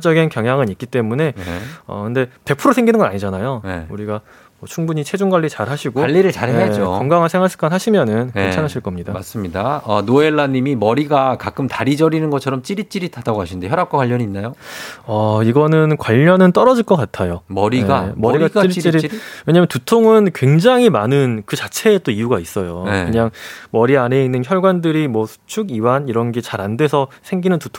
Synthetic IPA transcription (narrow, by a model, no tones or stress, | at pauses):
d͡ʑ͈ʌɡinkjʌŋɦjaŋɯnik͈it͈e̞mune̞ʌ̰kɯnde̞pe̞pʰuɾosʰeŋɡinɯnɡʌnaɲid͡ʑanajoneuɾiɡa | mʌt͡ɕʰuŋbuɲit͡ɕʰe̞d͡ʑuŋɡwaɭʎːit͡ɕaɾhaɕʰiɡoʎːiɾɯɭt͡ɕaɾead͡ʑokʌŋɡaŋɯɭsʰe̞ŋɦaɭs͈ɯ̥k͈anhaɕʰimjʌnɯnet͡ɕʰanɦaɕʰiɭk͈ʌmɲida̰as͈ɯmɲidaʌnoe̞ɭːaɲːimimʌɾiɡakak͈ɯmtaɾid͡ʑʌɾinɯnɡʌt͡ɕʰʌɾʌmt͡ɕ͈iɾit͡ɕ͈iɾitadaɡoɦaɕʰinndeçjʌɾap̚k͈akwaʎːʌɲiːnːajoʌiɡʌnɯnkwaʎːʌnɯnt͈ʌɾʌd͡ʑiɭk͈ʌk͈atʰajomʌɾineamʌɾiɡat͡ɕiɾit͡ɕ͈iɾiwe̞ɲamjʌntutʰoŋɯnkwe̞ŋd͡ʑaŋɦimanɯnkɯt͡ɕat͡ɕʰe̞ːt͈oiuɡais͈ʌjokɯɲaŋmʌɾiane̞inːɯnçjʌɭɡwandɯɾimwʌsʰu̥t͡ɕʰuɡiwaniɾʌnɡet͡ɕaɾandwe̞sʰʌsʰe̞ŋɡinɯntutʰ